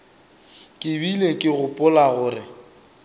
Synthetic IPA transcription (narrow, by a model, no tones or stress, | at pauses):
kʼɪbilekʼɪɣʊpʼʊlaɣʊːrɪ